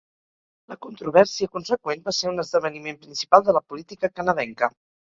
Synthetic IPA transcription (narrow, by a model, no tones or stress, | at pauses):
ləkunt̪ɾuβ̞ɛɾsiəkunsəkwenbaseɾunəzðəβ̞ənimempɾinsipalˠd̪ələpulit̪ikəkənəðɛŋkə